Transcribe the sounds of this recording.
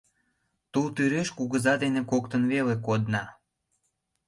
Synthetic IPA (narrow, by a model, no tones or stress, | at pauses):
t̪ult̪yɾeʃkuɣəzɑd̪enekok̚t̪ənβelekod̪nɑ